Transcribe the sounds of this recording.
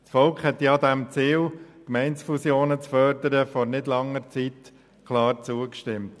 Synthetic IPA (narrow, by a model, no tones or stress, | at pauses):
sfɔlkχhɛt̪jɑd̪æmt͡siːlkmɛɪntsfusjoːnət͡sfœɾd̪əɾəfɔɾnɪdlɑŋːəɾt͡siːt | kʰlɑːɾt͡suːəkʃtɪmt